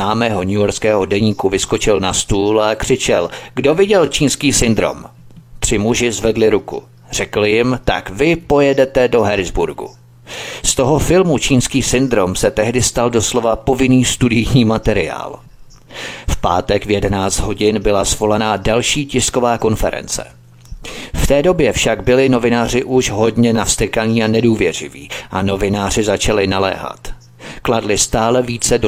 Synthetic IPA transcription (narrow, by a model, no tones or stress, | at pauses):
naːmɛːɦo̞ɲujoɾskɛːɦodɛɲiːkuvɪsko̞t͡ʃɪlnast̪uːlakr̝̥ɪt͡ʃɛlɡdo̞vɪɟɛlt͡ʃiːnskiːsɪnd̪ɾo̰m | t̪r̝̥ɪmuʒɪzvɛdlɪɾukṵ | r̝̥ɛkl̩jɪmt̪a̰kvɪpo̞jɛdɛt̪ɛdo̞ɦɛɾzbuɾɡṵ | st̪o̞ɦo̞fɪlmut͡ʃiːnskiːsɪnd̪ɾo̞msɛt̪ɛɦdɪst̪aldo̞slo̞vapo̞vɪniːst̪udɪjɲiːmat̪ɛɾɪ̰a̰ːl | fpa̰ːt̪ɛkvjɛdɛnaːt͡st̪ɦo̞ɟɪnbɪlasvo̞lanadalʃiːcɪsko̞vaːko̞nfɛɾɛ̰nt͡sɛ̰ | ft̪ɛːdo̞bjɛfʃaɡbɪlɪno̞vɪnaːr̝ɪʔuʃɦo̞dɲɛnafst̪ɛkaɲiːanɛduːvjɛr̝ɪ̰vḭːʔano̞vɪnaːr̝ɪzat͡ʃalɪnalɛ̰ːɦa̰t̪ | kladlɪst̪aːlɛviːt͡sɛdo